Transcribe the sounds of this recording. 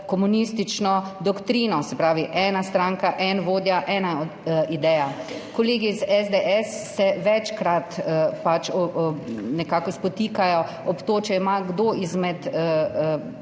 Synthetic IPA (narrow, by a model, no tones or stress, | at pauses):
kɔmunist̪it͡ʃnɔd̪ɔkt̪ɾinɔsɛpɾaːʋiʔɛːnast̪ɾaːŋkaʔɛnʋoːd̪jaʔɛːnaɔd̪id̪ɛjakɔleːɡizɛzd̪eʔɛsːɛʋɛt͡ʃkɾat̪pat͡ʃɔnɛkakɔspɔt̪iːkajɔ | ɔpt̪oːt͡ʃɛimaɡd̪oizmɛt̪ə